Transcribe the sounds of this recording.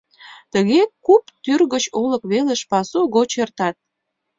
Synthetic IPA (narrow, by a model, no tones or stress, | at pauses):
t̪əɣekupt̪yrɣət͡ɕoləkβeleʃpɑsuɣot͡ɕert̪ɑt̪̚